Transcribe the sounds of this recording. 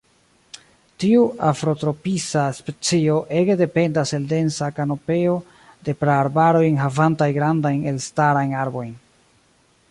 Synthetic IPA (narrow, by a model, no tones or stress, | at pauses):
tiuafɾo̞tɾo̞pisaspe̞t͡sio̞ʔe̞ɡede̞pe̞ndase̞lde̞nsakano̞pe̞o̞ | de̞pɾaaɾbaɾo̞jnɦavantajɡɾandajne̞lstaɾajnaɾbo̞jn